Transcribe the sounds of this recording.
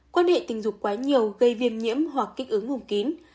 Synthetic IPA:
kwaː˧nhḛ˧˨t̪ï˨˩ŋ̟zʊ˨˩k͡p̚kːwaː˨˦ɲi˨˩əwɣə˧jvi˧əmɲḭ˧˥əmɦwa˨˩kːa˦˥k̟̚ʔɨ˨˦ŋhə˧˩wŋ͡mki˨˦n

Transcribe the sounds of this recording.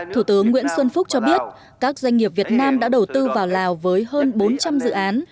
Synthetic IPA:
t̪ʰu˧˩t̪ɨ˨˦əŋːwḭ˧˥ənswə˧nfʊ˦˥k͡p̚t͡ɕɔ˧ɓi˦˥ət̚ | kaː˦˥k̚zwa˧jŋ̟ŋi˨˩əp̚vi˨˩ət̚naː˧mɗa̰ː˧˥ɗə˨˩wt̪ɨ˧vaː˨˩wlaː˨˩wvəː˨˦jɦəː˧nɓo˨˦nt͡ɕa˧mzɨ̰˧˨ʔaː˨˦n

